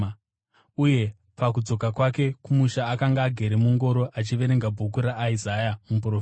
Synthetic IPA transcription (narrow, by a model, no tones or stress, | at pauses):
uje̞ | pak̬ud͡zo̞kakwake̞kumuʃaːkaŋɡaːɡʱe̞ɾemuŋɡo̞ɾo̞ʔat͡ʃiʋe̞ɾe̞ŋɡabʱuk̬uɾaʔːizajamup̬rofi